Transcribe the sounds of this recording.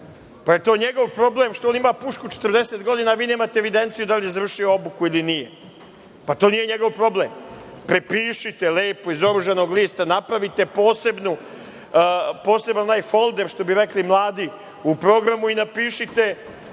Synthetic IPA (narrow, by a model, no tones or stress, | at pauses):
paje̞t̪o̞ːɲeɡo̞ʋpɾo̞bleːmʃt̪oonimapuʃkut͡ʃet̪əɾd̪eset̪ɡo̞d̪inaːʋiːne̞ːmaːt̪eeʋid̪e̞nt̪sijud̪aliezavrʃijoobukuilinije | pat̪o̞ːnije̞ɲeɡo̞ʋpɾo̞bleːmpɾepiːʃit̪eleːpoizo̞ɾuʒano̞ːɡliːst̪anapɾaʋit̪e̞po̞ːse̞bnu | po̞ːse̞banonajfo̞lˠd̪eɾʃt̪o̞biɾeklimlˠaːd̪i | upɾo̞ɡɾamuinapiːʃit̪e̞